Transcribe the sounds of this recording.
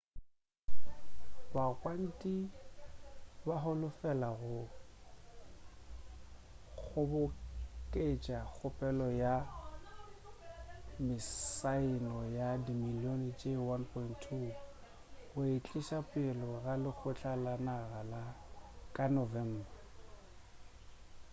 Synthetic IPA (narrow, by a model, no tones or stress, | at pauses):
bakʼwan̩tʼi | baɦʊlʊfɛlaɣʊ | k͡xk͡xʰʊbʊkʼet͡ʃʼak͡xʰʊpʼɛlɔja | mɪsaɪnɔjadimiliont͡ʃʼewanpʰɔinttʰːu | ɣʊɪt͡ɬʼɪʃapʼelɔɣalɪk͡xʰʊt͡ɬʼalanaɣala | kʼanɔvɛm̩ːba